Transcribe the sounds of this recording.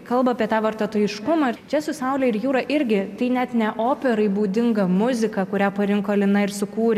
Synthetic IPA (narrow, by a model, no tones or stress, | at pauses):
kɐlˠbɐːpʲiɛt̪ɑːʋɐɾt̪oːt̪oːjɪʃkʊmɐt͡ʃʲɛsʊsɐʊlʲɛɪɾjuːɾɐʔɪɾʲɡʲɪt̪ɐɪnʲɛt̪nʲɛʔoːpʲɛɾɐɪbuːd̪ʲɪŋɡɐmʊzʲɪkɐkʊɾʲæːpɐɾʲɪŋkoːɐlʲɪnɐɪɾsʊkuːɾʲ